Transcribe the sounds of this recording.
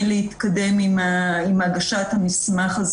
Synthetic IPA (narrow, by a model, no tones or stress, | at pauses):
nleit̪kade̞mimimaɡaʃat̪hamismaχaz